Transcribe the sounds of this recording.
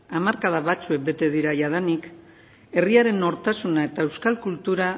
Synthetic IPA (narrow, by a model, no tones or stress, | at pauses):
amaɾkað̞aβat͡sue̞k̚be̞t̪e̞ð̞iɾaʝaðanik | e̞riaɾe̞no̞ɾt̪asunae̞t̪ae̞wskalkult̪uɾa